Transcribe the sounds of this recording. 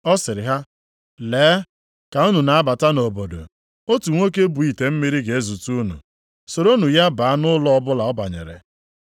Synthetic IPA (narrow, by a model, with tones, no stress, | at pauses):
ɔ˦sɪ˨ɾɪ˨ɦa˦ | leː˨˦ | ka˨u˦nu˨na˨a˦ba˨ta˦no˨bo˨do̰˨ | o˦tu˨ŋʷo˦k̬e˦bu˨i˨te˨m̩˦mi˦ɾi˦ɡe˨e˦zu˨tu˦nṵ˨ | so˨ɾo˦nu˨ja˦ba˨a˦nʊ˦lɔ˦ɔ˦bʊ˦la˨ɔ˦ba̰˨ɲḛ˨ɾḛ˨